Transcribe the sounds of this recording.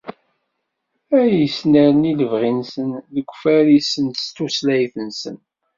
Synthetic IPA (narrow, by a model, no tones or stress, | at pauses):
æjəsnæɾniləvʁinsənləɡʷːfæɾisənt̪st̪uslæjθənsə̰n